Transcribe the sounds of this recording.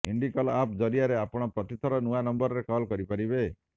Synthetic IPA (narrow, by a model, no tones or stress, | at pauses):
iɳɖikɔlapd͡ʒɔɾiaɾeapɔɽ̃ɔpɾɔt̪it̪ʰɔɾɔnuanɔmbɔɾɔɾekɔlkɔɾipaɾibe